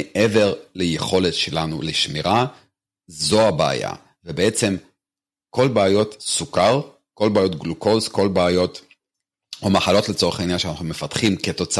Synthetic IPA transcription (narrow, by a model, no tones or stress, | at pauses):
eʔeve̞ʁlejeχo̞letʃelanṵleʃmiʁa | zo̞abea̰ja̰ | vebee̞t͡se̞m | ko̞lbeajo̞tsukaʁ | ko̞lbeaːjotɡluko̞zko̞lbeːjo̞t | omaχalo̞tlet͡so̞eχainjanʃeanaχnume̞fatχimke̞to̞t͡s